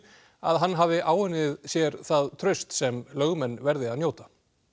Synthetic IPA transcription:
a̰ðɦanːɦavɪʔaːwʏnːɪðsjɛɾθaðt̪ʰɾœɥst̪sɛmlœɣmɛnːvɛɾðɪaðnjoːwt̪ḁ

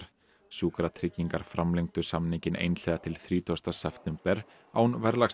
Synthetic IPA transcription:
ɾ̥ | suːkɾat̪ʰɾɪcːiŋkaɾ̥fɾamleŋkt̪ʏ̥samniɲcɪnḛjnl̥ɛːðat̪ʰɪlθɾiːt̪ʰɔst̪asɛft̪ɛmpɛɾ̥ | a̰wnvɛɾlaxs

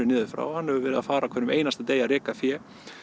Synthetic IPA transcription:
ʏnɪːðɪfɾa̰ːwhanhɛvʏvɛːɾɪða̰faːɾakʰvɛːnʏmʔejnast̪at̪eːjaɾɛːkafjɛː

